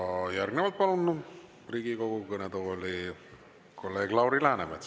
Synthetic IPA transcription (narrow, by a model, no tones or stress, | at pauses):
jæɾɡneʋɑlt̪̚pɑlunː | priɡikoɡukənet̪oolʲi | kʰolːeːɡlɑwɾilæːnemet̪